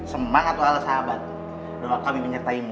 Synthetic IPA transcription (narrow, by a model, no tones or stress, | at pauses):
səmaŋat̪uɦalasaɦabat̪̚ | doakamiməɲərt̪aim